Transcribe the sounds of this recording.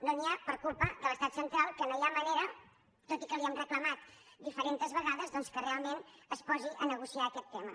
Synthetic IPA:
noniapəɾkulˠpəd̪ələst̪at̪sənt̪ɾalˠkənojaməneɾə | t̪ot̪ikəβiəmrəkləmat̪d̪ifəɾent̪əzβəɣaðəzðɔnskərealˠmenəspɔziʔənəɣusiaəkɛt̪ːɛmə

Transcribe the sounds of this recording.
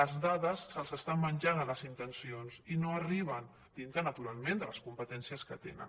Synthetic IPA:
əzðaðəsːəlˠzəst̪ammənʲʒanələzint̪ənsionzinoəriβ̞ən | d̪int̪ɾənət̪uɾalˠmend̪ələskumpət̪ɛnsiəskət̪ḛnə̰n

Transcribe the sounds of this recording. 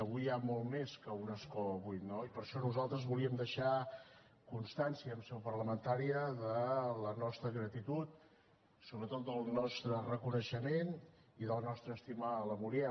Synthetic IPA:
əβujamɔlˠmeskəunəskɔəβujt̪noipəɾʃɔnuzalˠt̪ɾəzβuliəmd̪əʃa | kunst̪ansiəːmsɛwpərləmənt̪aɾiəðələnɔst̪ɾəɣɾət̪it̪ut̪̚ | soβɾət̪ot̪̚d̪əlˠnɔst̪ɾərəkunəʃəmen | iðəlˠnɔst̪ɾəːst̪iməːləmuɾiɛ

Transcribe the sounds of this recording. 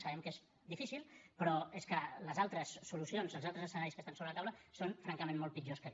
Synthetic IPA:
səβɛmkez | d̪ifisilˠpɾɔeskələzalˠt̪ɾəsːulusionzlˠzalˠt̪ɾəzəsənaɾiskəst̪ansoβɾələt̪awləsonfɾaŋkəmẽnmːɔlˠt̪pid͡ʒoskə

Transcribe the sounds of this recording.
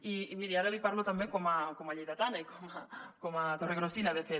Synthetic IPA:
iːmiɾiaɾaβipaɾlot̪ambeŋkomakomaʎejðat̪anaikomakomat̪oreɣɾosinaðefe

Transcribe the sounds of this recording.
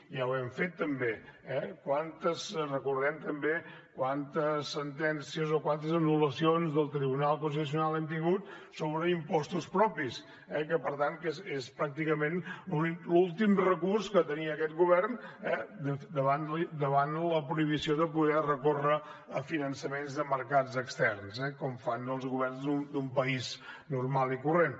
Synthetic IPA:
jawɛmfet̪ːəmbeɛkwant̪əsrəkurðɛmt̪əmbekwant̪əsːənt̪ɛnsiəzokwant̪əzənuləsionzðəlˠt̪ɾiβunalˠkunst̪it̪us̬iunalˠɛmt̪̬iŋɡut̪̚ | soβɾəimpɔst̪uspɾɔpis | ɛkəpəɾt̪ankezespɾak̚t̪ikəmenuilulˠt̪imrəkurskət̪əniəːkɛt̪ɡuβɛrnɛd̪əd̪əβand̪əβanləpɾuiβ̞isioðəpuðɛrəkorəəfinənsəmenzðəməɾkad͡zəkst̪ɛrnzɛkɔmfanəlˠzɣuβɛrnzd̪und̪umpəiznurmalˠikuren

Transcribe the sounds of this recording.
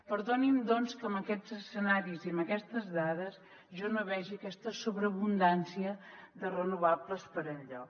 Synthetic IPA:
pəɾðonimd̪ɔnskəmbəkɛd͡zəsənaɾiziəmbəkɛst̪əzðaðəs | ʒɔnoβɛʒiəkɛst̪əsuβɾəβund̪ansiəðərənuβabləspəɾəʎɔ

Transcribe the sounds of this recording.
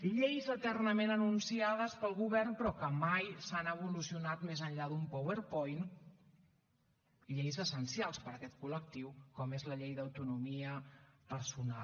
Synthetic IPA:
ʎejzət̪ɛrnəmenənunsiaðəspəlˠɣuβɛrnpɾɔkəmajsanəβulusiunat̪mezənʎaðumpoβəɾpɔjn | ʎejzəsənsialˠspəɾəkɛt̪kulək̚t̪iwkɔmezləʎejðəwt̪unumiəpəɾsuna̰l

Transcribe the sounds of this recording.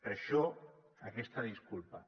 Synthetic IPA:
pəɾʃɔ | akɛst̪aðiskulpa

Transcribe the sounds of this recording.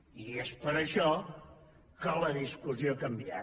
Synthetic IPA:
iespəɾəʃɔ | kələðiskuziokəmbia̰

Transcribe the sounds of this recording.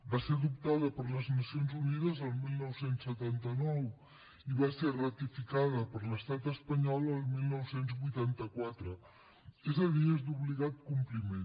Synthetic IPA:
baseðup̚t̪aðəpəɾləznəsionzunið̞əzəlˠmilˠnɔwsensːət̪ant̪ənɔw | iβaserət̪ifikaðəpəɾləst̪at̪əspəɲɔlˠəlˠmilˠnɔwsenzβujt̪ant̪əkwat̪ɾə | ezəðiezd̪uβliɣat̪̚kumplimen

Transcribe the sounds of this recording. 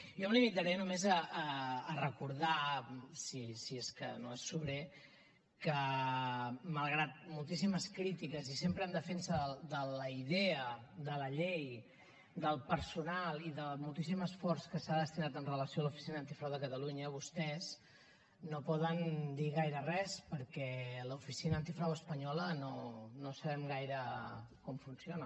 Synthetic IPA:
jɔmlimit̪əɾɛənumezəːrəkuɾðasisieskə̰noesːuβɾe | kə | məlˠɣɾat̪̚mulˠt̪isiməskɾit̪ikəzisempɾənd̪əfensəðəd̪ələiðeəd̪ələʎej | d̪əlˠpəɾsunalˠiðəmulˠt̪isiməsfɔrskəsaðəst̪inat̪ənrələsijoalufi̥sinəːnt̪ifɾawðəkət̪əluɲəβust̪ɛz | nopɔðənd̪iɣ̞ajɾərɛspəɾkɛləufisinəənt̪ifɾawəspəɲɔlənonosəβɛmɡajɾəkɔmfunsjonə

